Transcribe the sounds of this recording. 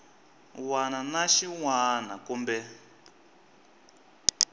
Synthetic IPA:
wananaʃiŋwanakumbɛ

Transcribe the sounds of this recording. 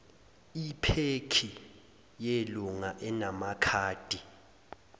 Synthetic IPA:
ipʰekʰi | jeluŋaʔɛnamakʰaːd̥ʱʼi

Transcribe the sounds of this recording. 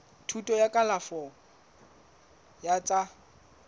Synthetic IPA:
tʰutʼɔjakʼalafɔ | jat͡sʼa

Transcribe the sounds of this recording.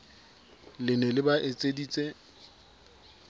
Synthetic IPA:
lɪnɛlɪbaʔet͡sʼediːt͡sʼe

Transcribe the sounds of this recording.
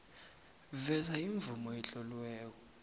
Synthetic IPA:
vɛzaiɱvumɔɛt͡ɬʼɔlwɛːk̬ɔ

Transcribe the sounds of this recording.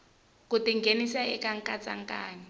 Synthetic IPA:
kutiŋɡenisaɛkaŋ̩kʼat͡sʼa̰ŋ̩kʼa̰ːni

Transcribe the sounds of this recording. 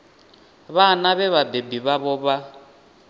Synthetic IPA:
βanaβɛβabebiβaβɔβa

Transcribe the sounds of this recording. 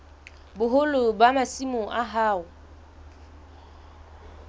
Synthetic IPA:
bʊɦʊlʊbamasimʊʔaɦaːʊ

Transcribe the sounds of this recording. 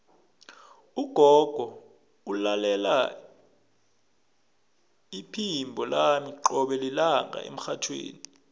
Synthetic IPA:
uɡ̥ʱɔɡ̥ʱɔ | ulalɛla | ipʰimbʱɔlamiǃɔɓɛlilaŋɡʱa̰ʔḛm̩xatʰwḛːni

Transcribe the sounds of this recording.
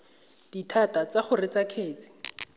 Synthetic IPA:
d̥itʰatat͡saχʊrɪt͡sakʰeːt͡si̥

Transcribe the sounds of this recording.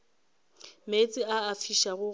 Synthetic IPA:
met͡sʼɪaːfiʃaɣʊ

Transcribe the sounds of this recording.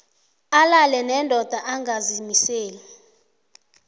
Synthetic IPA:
alalɛnɛndʱɔd̥ʱaʔaŋɡazimiseːli

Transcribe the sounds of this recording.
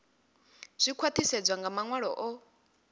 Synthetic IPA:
z̥ʷikʰwat̪ʰisɛd͡zʷaŋɡamaŋwaɺɔ̰ʔɔ

